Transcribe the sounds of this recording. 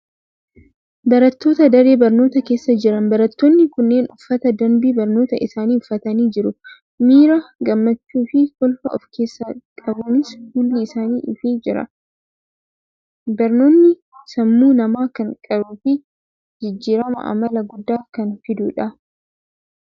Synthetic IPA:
bɐɾɐt̪ːo̞ːt̪ɐd̪ɐɾeːbɐɾnoːt̪ɐke̞ːsːɐd͡ʒɪɾɐnbɐɾɐt̪ːoːnːɪkʊnːe̞ːnʊfːɐt̪ɐd̪ɐnbiːbɐɾno̞ːt̪ɐɪsaːniːʊfːɐt̪ɐniːd͡ʒɪɾʊ | miːɾɐɡɐmːɐt͡ʃːuːfɪhɔlfɐɔfkʰe̞ːsːɐkʼɐbuːnɪshulːiɪsaːniːʔɪfid͡ʒɪɾɐ̰ | bɐɾno̞ːnːɪ | sɐmːuːnɐmaːkɐŋkʼɐɾufɪ | d͡ʒɪd͡ʒːiːɾɐmɐ̰ʔɐ̰mɐlɐɡʊd̪ːaːkɐnfɪd̪uːᶑɐ

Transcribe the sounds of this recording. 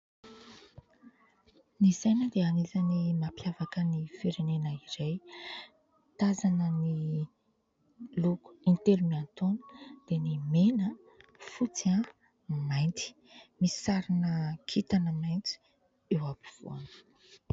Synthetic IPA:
nizajnəd̪eanizanimapjavakənifiɾenenəiɾej | t̪azanəni | luku̥int̪elumiant̪onə̥d̪̥enimenə | fut͡siã | majnt̪i̥ | missaɾinəkʰit̪anəmajnt͡si̥ | ewapi̥v̥ṵanə̥

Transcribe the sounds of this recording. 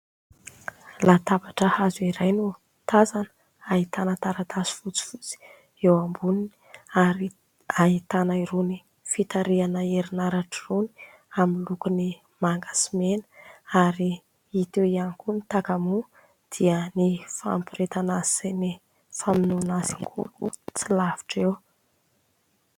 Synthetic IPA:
lat̪abaʈ͡ʂəhazuiɾajnu | t̪azanə | ait̪anət̪aɾat̪asi̥fut͡si̥fut͡si̥ | ewambunini̥aɾi | aɦit̪anaiɾuni | fit̪aɾianəeɾinaɾaʈ͡ʂiruni̥ | amilukuni | maŋɡasimenaɾi | it̪ewianikunit̪akamu | d̪̥iənifa̰mpiɾet̪anḁseni | faminunaziŋkʰṵlṵt͡silavi̥ʈ͡ʂew

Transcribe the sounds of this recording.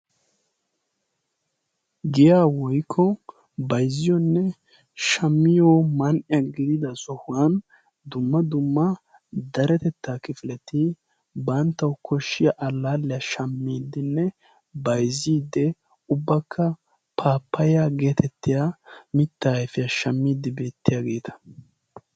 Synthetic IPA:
ɡɪjaːwɔjkʰːɔ | bɐjzːɪjɔnːɛ | ʃɐmːɪjoːmɐnʔɪjɐɡɪd̪ɪd̪ɐsɔhʊwɐn | d̪ʊmːɐd̪ʊmːɐ | d̪ɐɾɛt̪ɛt̪ːaːkɪfɪlɛt̪ɪ | bɐnt̪ːɐwkʰɔʃːɪjaʔɐlːaːlːɛjɐʃɐmːiːd̪ːɪnːɛ | bɐjziːd̪ːɛ | ʊbːɐkʰːɐ | pʰaːpːɐjaɡe̞ːt̪ɛt̪ːɪjamɪt̪ːaːɛfɪjɐʃɐmːiːd̪ːɪbeːt̪ːɪjaɡe̞ːt̪ʰɐ̥

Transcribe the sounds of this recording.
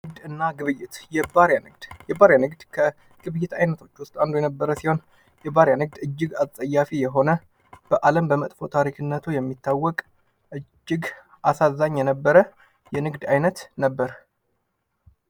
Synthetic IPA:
nɨɡd̪ɨnːaɡɨβɨjːɪt̪jɛbaɾjanɨɡd̪̥jɛbaɾjanɨɡd̪kʰə | ɡ̥ɨβɨjːɪt̪ʰajnət̪ʰo̞t͡ʃːwʊst̪ʼand̪ojɛnəbːəɾəsiho̞n | jɛbaɾjanɨɡ̚d̪ɨd͡ʒːɪɡasʼəjːafijɛɦo̞nə | b̥əʔaləmbəmət̪ʼfo̞t̪ʰaɾikʰɨnːət̪ʰujɛmːit̪ʰːawːɔkʼ | ʔɨd͡ʒːɪɡ | ʔasazːaɲːjɛnəbːəɾə | jɛnɨɡd̪ajnət̪nəbːəɾ

